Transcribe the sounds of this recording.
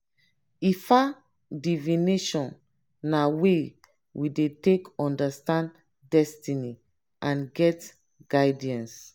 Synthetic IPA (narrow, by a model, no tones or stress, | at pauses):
ifa | divineʃɔ̃nː | awe | widetekɔ̃ndastãn | dɛstini | ʔãnɡɛt | ɡ̥aɪdiãns